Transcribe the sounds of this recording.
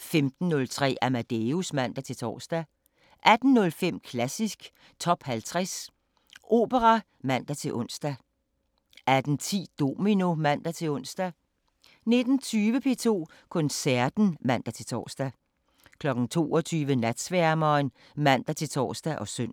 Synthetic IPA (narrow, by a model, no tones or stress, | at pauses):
femd̥n̩ːɔ̽lt͡sʰʁɛ̰ːʔæmæd̥eusmæn̰d̥æt͡sʰe̝t͡sʰɒ̰ːsd̥æ | ʔæd̥n̩ːɔ̽lfem̰kʰlæsisɡ̥ | t͡sʰɒ̽b̥hælt͡sʰʁɛs | ʔo̝̰ːb̥əʁɑ | mæn̰d̥æt͡sʰe̝lʔɔ̽n̰sd̥æ | æd̥n̩t͡sʰḭːd̥o̝mino̝mæn̰d̥æt͡sʰe̝lɔ̽n̰sd̥æ | ne̝d̥n̩t͡sʰyːʋəpʰe̝̰ːt͡sʰo̝̰ː | kʰɔ̽nsæɐd̥n̩mæn̰d̥æt͡sʰe̝t͡sʰɒ̰ːsd̥æ | kʰlɒ̽ɡ̥n̩t͡sʰo̝̰ːɒt͡sʰyːʋənæd̥sʋæɐmɒn | mæn̰d̥æt͡sʰe̝t͡sʰɒ̰ːsd̥æʔɒ̽søn̰